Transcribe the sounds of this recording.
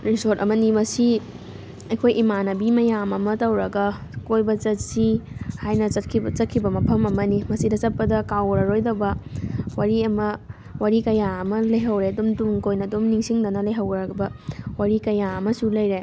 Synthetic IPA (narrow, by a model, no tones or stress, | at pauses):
ɾisoɾtɐmɐnimɐsi | ɐjkʰojʔimanɐbimɐjamɐmɐtɐwɾɐɡɐkojbɐt͡ʃɐtsihajnɐsɐt̚kʰit͡ʃɐt̚kʰibɐmɐpʰɐmɐmɐnimɐsidɐt͡ʃɐt̚pɐdɐkawɾɐɾojdɐbɐwaɾiɐmɐ | waɾikɐjaɐmɐlɐjɦɐwɾeɐdumtuŋkojnɐdumniŋsiŋdɐnɐlɐjɦɐwɾɐbɐwaɾikɐjaɐmɐsulɐjɾe